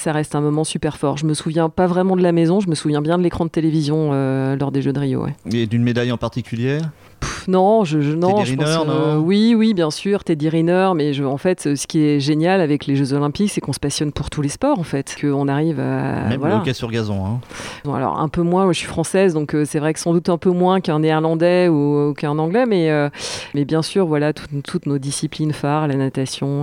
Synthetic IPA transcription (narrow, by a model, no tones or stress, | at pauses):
saʁɛst̪ɛ̃mɔmɑ̃sypɛʁfɔʁʒəməsuvjɛ̃pavʁɛmɑ̃d̪əlamɛzɔ̃ʒəməsuvjɛ̃bjɛ̃d̪əlekχɑ̃d̪ət̪elevizjɔ̃ølɔʁd̪eʒød̪əʁijo̰wɛ̰ed̪ynmed̪ajɑ̃paʁt̪ikʲyljɛʁ | nɔ̃ʒəʒnɔ̃ʒə̃wiwibjɛ̃syːʁt̪ɛd̪iʁinœʁmɛʒəɑ̃fɛt̪øsə̥kʲiɛʒenjalavɛkleʒøzɔlɛ̃piksɛkɔ̃sə̥pasjɔnpuʁt̪ʰulespɔʁɑ̃fɛt̪kʰəɔ̃naʁiva̰vwalakɛsyʁɡʲazɔ̰̃ɛ̰̃ɔ̃a̰lɔ̰ʁɛ̰̃pømwɛ̃maʒəsɥifχɑ̃sɛzd̪ɔ̃køsɛvʁɛksɑ̃d̪ut̪ɛ̃pømwɛ̃kɛ̃neːʁlɑ̃d̪ɛukɛ̃nɑ̃ɡlɛmɛømɛbjɛ̃syːʁvwalat̪ʰu̥t̪ʰːut̪nod̪isiplinfaʁlanat̪asjɔ̃